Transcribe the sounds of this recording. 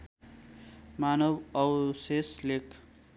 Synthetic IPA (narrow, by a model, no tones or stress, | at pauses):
manʌwʌwseslekʰ